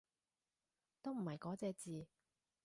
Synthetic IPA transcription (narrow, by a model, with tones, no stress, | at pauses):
t̪o˥wm̩˨˩hɐ˨jkɔː˨˥t͡sɛː˧t͡siː˨˧